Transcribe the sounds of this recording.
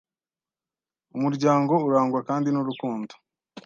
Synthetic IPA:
umuɾɟaːŋɡo̞uɾaːŋɡuwakaːndinuɾukuːndo̥

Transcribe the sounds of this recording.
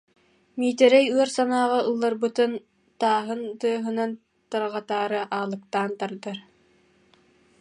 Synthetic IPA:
miːt̪ɛɾɛjɯɔɾsanaːʁaɯlˠːaɾbɯt̪ɯn | t̪aːɦɯnt̪ɯɐɦɯnan | t̪aɾʁat̪aːɾɯʔaːlˠɯk̚t̪aːnt̪aɾd̪ɯɾ

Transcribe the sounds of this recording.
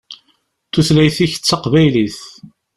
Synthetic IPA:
θuθlæjθiçə̥t͡sːɑqvæjliθ

